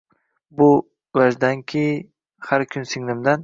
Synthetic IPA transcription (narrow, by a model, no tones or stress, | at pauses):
bʊ | vaʒd̪ankʲʰɪ | haɾkʲʰʊnsɪŋnɪmd̪an